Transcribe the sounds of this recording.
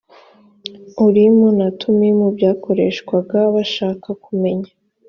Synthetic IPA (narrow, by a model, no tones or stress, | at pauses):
uɾimunatʰumimubɟaːko̞ɾe̞ːʃkwaɡaβaʃaːkakume̞ɲa